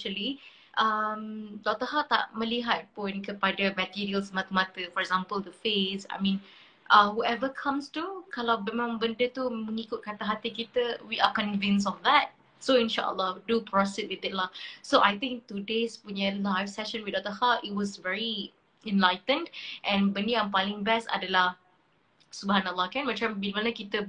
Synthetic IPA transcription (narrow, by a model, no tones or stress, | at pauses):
ʃəli | ʔəmdɔk̚t̪əɦat̪a̰ʔmə̃liɦat̚pʊ̃nkəpadəmət̪iɹiəlsəmat̪umat̪əfɔɹɛɡzãmpəld̪əfesa̰jmĩn | ʔə̃huɛvəkʰãmstukalawbɛmãmbəndət̪umə̃ŋikʊt̚kat̪aɦat̪ikit̪əwiʔakɔ̃nvɪ̃ns̬ɔfd̪ɛt̚ | soĩnʃa̰ʔə̰lːɔdupɹɔsit̚wɪd̪ɛt̚lasoʔajt̪ɪ̃ŋk̚t̪udespuɲəlajfsɛʃə̃nwid̪ad̪əhatit̚wɔsvɛɹi | ɛ̃nlaɪtə̃ndʔɛ̃nbəniãjmpalɪ̃ŋbɛsa̰dəlah | subəɦanəlˠːɑkɛ̃nmat͡ʃãmbidmanəkit̪ə